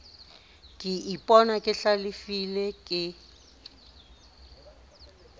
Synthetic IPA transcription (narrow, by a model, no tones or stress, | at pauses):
kʼɪipʼɔnakʼɪɬalɪfilɛkʼɪ